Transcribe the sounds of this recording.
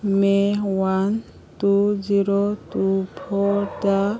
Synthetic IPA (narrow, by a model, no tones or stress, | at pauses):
mewan | t̪ud͡ʒiɾɔt̪upʰɔɾda